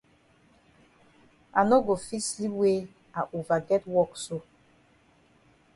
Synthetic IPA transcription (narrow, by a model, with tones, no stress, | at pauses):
a˨nɔ˦ɡo˨fi˦sli˦we˦ | a˨ʔo˨va˨ɡɛ˦twɔ˦˨kso˦˨